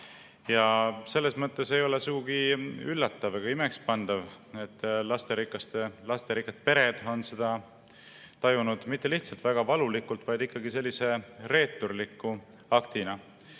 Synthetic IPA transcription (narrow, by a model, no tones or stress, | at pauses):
jɑse̞lːe̞smɤt̪ːˑe̞se̞jo̞le̞suɡ̥uɡiylːɑt̪ːɑvɑɡ̥ɑimekspɑnd̪̥ɑve̞t̪ːˑlɑst̪e̞ɾikːˑɑst̪e̞lɑst̪eɾikːˑɑt̪̚pe̞ɾe̞d̪̥o̞nsed̪̥ɑ | t̪ɑjunud̪̥mit̪ːe̞liht̪sɑlt̪væɡ̥ɑvɑlulikːult̪vɑjd̪̥ikːɑɡise̞lʲːise̞re̞ːt̪ːˑurlikːˑu | ɑkt̪inɑ